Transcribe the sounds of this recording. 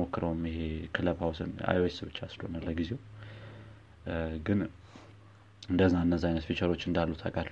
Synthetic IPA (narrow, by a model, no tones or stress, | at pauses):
okːɨɾəwmjɪɦekʰɨləβhawsɨ̰na̰joesbɨt͡ʃːasɨlo̰nalːəɡize̞w | ɡɨn | ɨnd̪əzːaɨnːəzːajnət̪fit͡ʃəɾo̞t͡ʃːɨnd̪alːut̪ʰakʼat̪l